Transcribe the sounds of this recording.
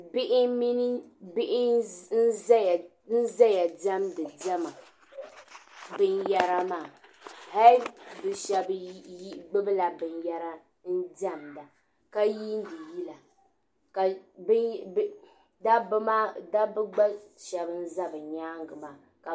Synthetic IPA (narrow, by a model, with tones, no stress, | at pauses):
bɪ˦ʔɪ˦mi˦ni˦bɪ˦ʔɪ˦n̩˦zj | n̩˦za˦ja˨da˦mdɨ˨dɛ˦ma˨ | bɨ˦nja˦ɾa˦maː˦˨ha˦li˦bɨ˨ʃɛ˦bi˦ɡ͡bɨ˦bɨ˦la˨bɨ˨nja˦ɾa˦ | n̩˦da˦˨mda˨ | ka˦ji˦n˦dɨ˨ji˦la˨ | ka˨b | da˦bma˦da˦bɨ˦ɡ͡ba˦ʃɛ˨bɨ˦n̩˦za˦bɨ˨ɲaː˦ŋɡɨ˨maː˨ | ka˨